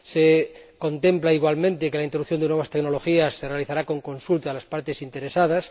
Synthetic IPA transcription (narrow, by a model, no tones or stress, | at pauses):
se | ko̞nt̪e̞mplaiɣwalmẽnt̪ekelaint̪eðuθjond̪enwe̞β̞ast̪ekno̞lo̞xiasːerealiθaɾako̞ŋko̞nsult̪alaspaɾt̪esint̪e̞ɾesað̞as